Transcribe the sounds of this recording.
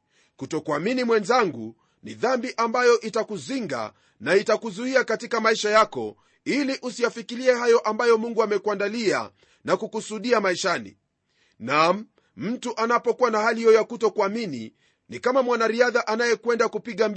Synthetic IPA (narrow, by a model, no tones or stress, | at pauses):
kutɔkuaminimwɛnzaŋɡṵ | nḭðambiʔambajɔʔitakuziŋɡa̰ | naitakuzuiakatikamaiʃajakɔ̰ | iliʔusijafikiliɛhajɔʔambajɔmuŋɡuamɛkuwandalia̰ | nakukusuɗiamaiʃanḭ | nam̩ | m̩tuʔanapɔkuwanahalihiɔjakutɔkuaminḭ | nikamamwanaɾiaðaʔanajɛkwɛndakupiɠam